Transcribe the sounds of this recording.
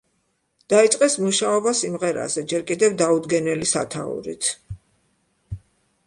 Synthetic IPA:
d̪̥ait̪sʼqʼɛsmuʃaɔbasimʁɛɾa̰zɛd͡ʒɛɾkʼid̪ɛvd̪aud̪ɡɛnɛlisa̰t̪ʰa̰ṵɾḭt̪ʰ

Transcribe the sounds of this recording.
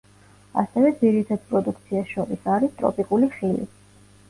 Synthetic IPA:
a̰sɛvɛd̪ziɾit̪ʰad̪̥̚pʼɾɔd̪uk̚ʰt̪sʰiaʃɔɾisaɾist̪ʼɾɔ̰pʼikʼuliχilḭ

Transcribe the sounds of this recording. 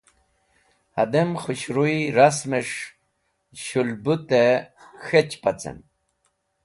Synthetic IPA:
had̪emχuɕɾujɾasmeʂ | ɕulbut̪e | xet͡ɕpat͡sḛn

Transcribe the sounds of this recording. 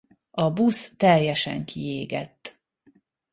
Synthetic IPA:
ɒbust̪ɛjɛʃɛ̰ŋkʰieːɡɛ̰t̪ː

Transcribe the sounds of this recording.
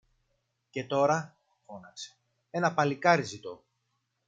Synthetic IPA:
ce̞t̪o̞ɾɐ | fo̞nɐkse̥ | e̞nɐpɐlikɐɾizit̪o̞

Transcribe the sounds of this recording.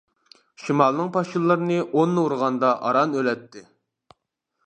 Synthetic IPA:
ʃimɑlˠnɨŋpʰɑʃilˠːɨɾɨnɨʔonːɨuɾʁɑnd̪ɑʔɑ̰ɾɑnølɛt̪ːɪ

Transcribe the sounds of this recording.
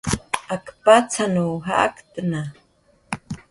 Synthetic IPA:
akpat͡sʰanuɦa̰ʔa̰kt̪əna

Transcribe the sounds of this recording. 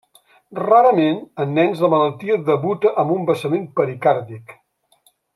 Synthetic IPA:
raɾəmenənːɛnzðəmələlˠt̪iəðəβut̪əʔəmbumbəsəmempəɾikaɾtik

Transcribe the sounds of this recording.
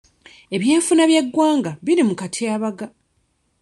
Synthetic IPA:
e̞βje̞ːɱfunaβjeɡːwaːŋɡaβiɾimukatʰiaːβaɡa

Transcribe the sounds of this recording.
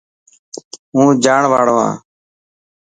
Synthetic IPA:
ɦũːd͡ʒaːɳʋaːɽʋã̰ː

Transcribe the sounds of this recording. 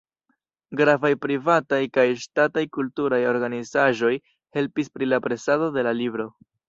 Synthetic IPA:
ɡɾavajpɾivatajkajʃtatajkultuɾajo̞ɾɡanizaʒo̞j | he̞lpispɾilapɾe̞sado̞de̞lalibɾo̞

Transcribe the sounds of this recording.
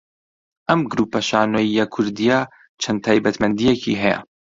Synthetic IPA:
ʔɐmɡɾuːpɐʃaːnojijɐkʰʊɾd̪ija | t͡ʃʰɐnd̪̚t̪ʰaːjbɐt̪mɐnd̪ijekʰḭɦɛjɐ̰

